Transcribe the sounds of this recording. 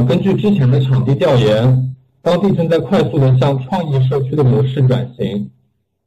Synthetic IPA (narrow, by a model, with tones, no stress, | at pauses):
kə˥nt͡ɕy˥˩ʈ͡ʂɻ̩˥t͡ɕʰjɛ˧˥nd̪ə˧ʈ͡ʂʰɑ˨˩ŋt̪i˥˧t̪jɑ˥˩ʊjɛ˧˥n | t̪ɑ˥ŋt̪i˥˩t͡sə˥˧nt͡sa˥˧ɪkʰwa˥˧ɪsu˥˩d̪ə˩ɕ̬jɑ˥˧ŋʈ͡ʂʰwɑ˥˧ŋjɛ˥˧ʂ̬ɤ˥˩t͡ɕʰy˥d̪ə˨mwɔ˧˥ʂɻ̩˥˩ʈ͡ʂwa̰˨˩nɕi˧˥ŋ